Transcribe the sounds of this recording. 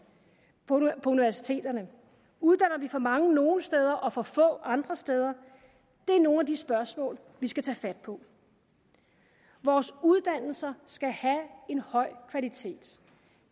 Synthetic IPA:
pʰɒ̽uniʋæɐsi̥t͡sʰe̝̰ːd̥ɐnə | uð̞ˠd̥ænɐʋifɒ̽mɑ̈ŋəno̝ːnəsd̥eð̞ˠɐʔɒ̽fɒ̽fɔ̰̽ːʔɑ̈nd̥ʁɐsd̥eð̞ˠɐ | d̥e̝æɐno̝ːnæd̥isb̥ɶɐsmɔ̰ːl | ʋisɡ̥æt͡sʰɛːfæd̥̚pʰɒ̽ | ʋɒːsuð̞ˠd̥æn̰l̩sɐsɡ̥æhæe̝nhɒ̽ɪ̰kʰʋælit͡sʰe̝̰ːd̥

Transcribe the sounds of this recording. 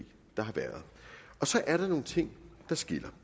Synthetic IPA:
d̥ɑ̈ɦɑ̈ʋæɐð̞̩ˠɒ̽sɒ̽ʔæɐɾ̥ɑ̈no̝ːn̩t͡sʰe̝ŋ̰d̥ɑ̈sɡ̥e̝l̰ɐ

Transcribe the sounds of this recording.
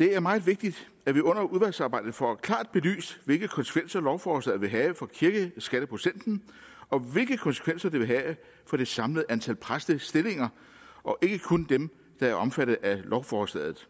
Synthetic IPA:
d̥e̝æɐmɑ̈ɪð̩ˠʋe̝ɡ̥̚d̥id̥ | æʋiɔ̽n̰ɐʔuðˠʋælsɑ̈ːbɑ̈ɪd̥ð̩ˠfɒ̰ækʰlɑ̰̈ːd̥̚b̥e̝ly̰ːsʋe̝lɡ̥əkʰɒ̽nsə̥kʰʋensɐlɒʊfɒːsdɛð̩ˠʋe̝ɦɛːfɒ̽kʰiɐɡ̥əsɡ̥æɾ̥əpʰʁosen̰d̥n̩ | ɒ̽ʋe̝lɡ̥əkʰɒ̽nsə̥kʰʋen̰sɐd̥e̝ʋe̝ɦɛː | fɒ̽d̥e̝sɑ̈mləð̩ˠʔænt͡sʰælpʰʁasd̥əsd̥e̝le̝ŋɐ | ɒ̽ʔe̝ɡ̥əkʰond̥em | d̥ɑ̈æɐʔɒ̽mfæɾ̥ð̩ˠælʔɒʊfɒːsd̥ɛ̰ð̰ð̩ˠ

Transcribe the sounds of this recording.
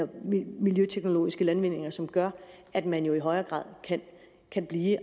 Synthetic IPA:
ɐmiljøt͡sʰeɡ̥no̝lo̝̰ːisɡ̥əlænʋe̝n̰e̝ŋɐsɒ̽mɡ̥ɶɐ̰ʔæd̥mænjo̝iɦɒ̽ɪɐːɡ̥ʁɑ̰̈ːð̰ˠkʰæn | kʰænb̥liː

